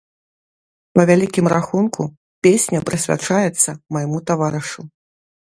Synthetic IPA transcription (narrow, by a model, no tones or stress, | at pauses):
pɐvʲalʲikʲimraxunkʰu | pʲesʲnʲɐpɾɨsʲvʲa̰t͡ʂajɛt̪sːɐmajmut̪avaɾɨʂu